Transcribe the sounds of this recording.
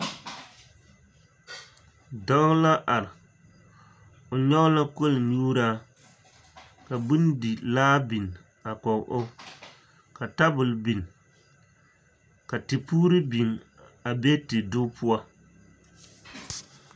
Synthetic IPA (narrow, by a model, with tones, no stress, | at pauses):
dɔ˦ŋ˦la˦ʔa˨ɾɪ˨ | o˨ɲɔ˦ɣla˦ko˦lnuː˦ɾaː˦ | ka˨bu˦n˦di˨laː˦bi˨n | a˨kɔ˨ŋ˨ʔo˦ | ka˨ta˦bʊ˨lbi˨n˨ | ka˨tɨ˨puː˦ɾɨ˦bi˨n | a˨be˦tɨ˨dʊ˦pu˦a˦